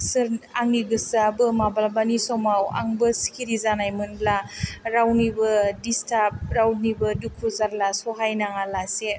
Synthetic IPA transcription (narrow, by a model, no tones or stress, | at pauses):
sɯɾaŋiɡɯsabɯmabalbanisɔmawa̰ŋbɯsi̥kʰiɾizanajmɯnblaɾawnibɯdistap̚ɾawnibɯdukʰuzaɾlasɔɦajnaŋalase